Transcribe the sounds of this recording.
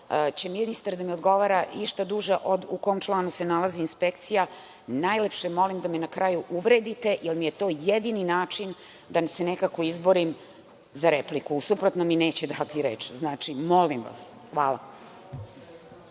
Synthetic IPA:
t͡ɕe̞minist̪aɾd̪amiod̪ɡo̞ʋaːɾaiʃt̪ad̪uʒaʔod̪ukoomt͡ʃlˠaːnuse̞nalaziːnspekt̪sija | najlepʃemo̞limd̪amenakɾajuʔuʋɾe̞ːd̪it̪e̞ʔilmijet̪o̞ːjed̪ininaːt͡ʂin | d̪asenekako̞izboɾim | zaɾeplikusupɾot̪nomine̞ːt͡ɕed̪at̪iɾḛːt͡ʃznaːt͡ʃimo̞limʋa̰s | xʋaːlˠa̰

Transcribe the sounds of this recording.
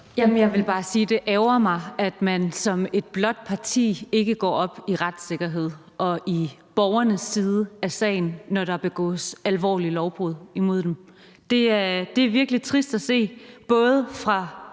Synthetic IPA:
jæmənjɑ̈ɪʋe̝lb̥ɑ̈ːsiːd̥e̝ʔɛʊɐmɑ̈ɪæd̥mænsɒ̽me̝d̥̚b̥lɒ̽d̥̚pʰɑ̈t͡sʰḭːe̝ɡ̥əɡ̥ɒ̰ːɒ̽b̥iʁad̥se̝ɡ̥ɐɦe̝ð̞̰ˠ | ʔɒ̽ʔib̥ɒʊɐnəsːiːð̞ˠəæsɛ̰ɪn̩ːɒɾ̥ɑb̥e̝ɡ̥ɔ̰̽ːsælʋɒ̰ːlilɒʊb̥ʁuð̞̰ˠimo̝ð̰ˠd̥em | d̥e̝æɐd̥e̝æɐʋiɐɡ̥əlit͡sʰʁisd̥æse̝̰ːb̥ɔ̽ːð̞ˠəfʁɑ̈

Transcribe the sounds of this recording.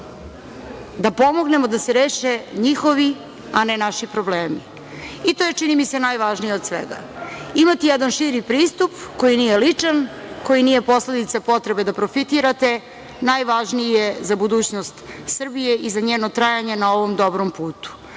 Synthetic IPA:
d̪apo̞moɡne̞mo̞d̪aseɾeːʃeɲixo̞ʋi | anenaʃipɾobleːmḭ | it̪o̞jet͡ʂinimise̞najʋaʒnijeod̪sʋḛɡa̰ | imat̪ijɛd̪anʃiɾipɾiːst̪upko̞jiniːjelit͡ʂanko̞jinijepo̞sle̞d̪it̪sapo̞t̪ɾebed̪apɾo̞fit̪iɾat̪e̞ | najʋaʒniezabud̪uːt͡ɕnost̪sr̩bije̞ʔizaɲeːnot̪ɾajaɲenao̞ʋomd̪o̞bɾompuːt̪u̥

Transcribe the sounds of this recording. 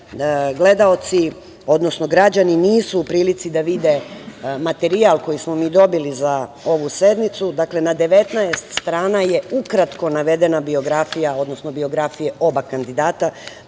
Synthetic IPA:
ɡle̞d̪ao̞t̪si | o̞d̪no̞sno̞ɡɾad͡ʑaniniːsuːpɾiːlit̪sid̪aʋid̪e̞mat̪e̞ɾialˠko̞jismo̞miːd̪o̞biliza | o̞ʋuse̞d̪nit̪sud̪akle̞nad̪e̞ʋe̞t̪naest̪st̪ɾaːnaje̞ukɾat̪ko̞naʋe̞d̪e̞nabio̞ɡɾafijao̞d̪no̞sno̞bio̞ɡɾafije̞o̞bakand̪id̪aːt̪a

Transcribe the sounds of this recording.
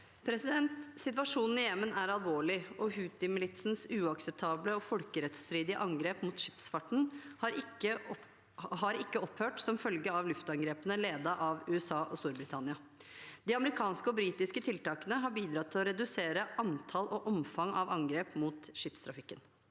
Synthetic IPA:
pʰɾɛsɪd̪ɛnt̪sɪt̪ʋɑʂuːnn̩ɪjɛmːənæɾɑlˠʋoːɭɪɔɦʉːt̪ɪmɪlɪt̪sn̩sʉːɑksɛp̚t̪ʰɑːbləɔfɔlkəɾɛt̪sfɾiːd̪ɪə̰ʔɑŋɡɾeːpmuːt̪ʂɪ̥psfɑʈːɳ̩hɑɾɪə | ɦɑɾɪkːəɔphøːʈsɔmfœlɡəɑʋlʉft̪ɑŋɡɾeːpənəleːd̪ɑʔɑʋʉːɛsɑːʔɔst̪uːɾbɾɪt̪ʰɑnɪɑ | d̪ɪːɑməɾɪkʰɑːnskəɔbɾiːt̪ɪskət̪ʰɪlt̪ɑːkənəɦɑɾbiːd̪ɾɑt̪ʰːɪlɔɾɛd̪ʉseːɾəʔɑnt̪ʰɑlʔɔʔɔmfɑŋɑʋɑŋɡɾeːpmuːt̪ʂɪpst̪ʰɾɑfɪkːən

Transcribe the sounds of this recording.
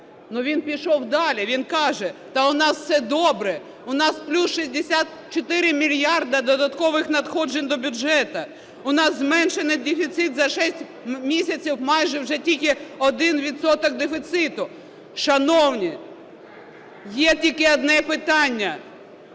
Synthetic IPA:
nuʋʲinpʲiʃɔwd̪ɑlʲiʋʲinkɑʒɛt̪ɐʊnɑssɛd̪ɔbɾɛ | ʊnɑsplʲusʃisʲd̪esʲat̪̚ | t͡ʃɔt̪ɪɾɪmʲilʲjɑrd̪ɐd̪ɔd̪ɐt̪kɔʋɪxnɐt̪xɔd͡ʒenʲd̪ɔbʲʊɛt̪ɐ | ʊnɑzzmɛnʃenɪd̪efʲit̪sɪt̪zɐʃɛsʲtʲ | mʲisʲɐt͡sʲiwmɑjʒɛwʒɛtʲilʲkɪɔd̪ɪnʋʲid̪sɔt̪ɔk̚d̪efʲit̪sɪt̪ʊ | ʃɐnɔwnʲi | jɛtʲilʲkɪɔd̪nɛpɪt̪ɑnʲːɐ

